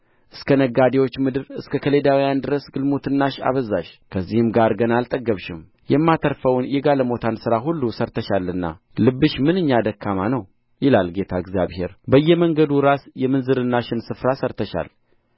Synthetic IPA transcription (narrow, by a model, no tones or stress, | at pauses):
ʔɨskʰənəɡad̪ewo̞t͡ʃːmɨd̪ɨɾɨskʰəkʰəle̞d̪awijand̪ɨɾəsɡɨlmot̪ʰɨnːaʃa̰βəzaʃkʰəzːihɨmɡaɾɡənalt̪ʼəɡːəβʃɪm | jɛmːat̪ʰəɾfəwnjɛɡaləmo̞t̪ʰansɨɾaɦulːusəɾt̪ʰəʃalɨnːa̰ | lɨbːɨʃmɨnɨɲːad̪əkʰːamanəw | jɪlalɡe̞t̪ʰaɨɡzja̰βhe̞̰ɾbəjːɛməŋɡəd̪uɾasjɛmɨnzɨɾɨnːaʃɪnsɨfɾasəɾt̪ʰəʃa̰l